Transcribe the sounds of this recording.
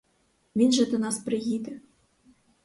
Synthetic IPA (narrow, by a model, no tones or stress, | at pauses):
mʲinʒĕt̪ɤ̆nɑsprʲɘɣid̪ʲɘ̆